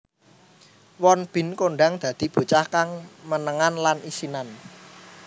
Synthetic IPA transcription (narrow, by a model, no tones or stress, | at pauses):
wɔnb̥ɪ̤nkoɳɖaŋd̪̥ä̤d̪̥i̤b̥o̤t͡ʃahkaŋmənəŋanlanisinan